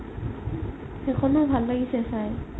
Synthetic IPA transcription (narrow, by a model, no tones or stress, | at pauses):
xekʰɔnʊbʱalːaɡisɛsaj